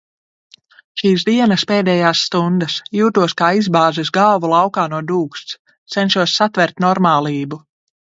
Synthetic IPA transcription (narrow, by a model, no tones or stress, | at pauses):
ʃiːsd̪iɛnɐspeːd̪ɛːjaːsːt̪und̪ɐsjuːt̪uɔskaːizbaːzɛs̬ɡalvulˠɑwkaːnuɔd̪uːkst̪s | t̪sɛnʃuɔsːat̪vɛɾt̪nɔɾmaːlˠiːbu